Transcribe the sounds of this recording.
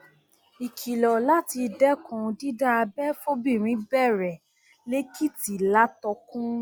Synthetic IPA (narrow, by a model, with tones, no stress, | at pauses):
i˨kʰi˨lɔ˨la˦ti˧dɛ˦kʰɔ̃˨˧di˦da˦a˧bɛ˦fo˦bĩ˦˨ɾ̃ĩ˨˦bɛ˦˨ɾɛ˨ | le˦ki˦˨ti˨la˦tɔ˧kũ˦